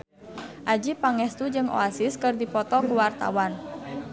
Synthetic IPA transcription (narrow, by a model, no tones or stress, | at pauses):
ʔad͡ʒipaŋɛst̪ud͡ʒɨŋo̰asɪskɨrdipɔt̪ɔkuwart̪a̰wan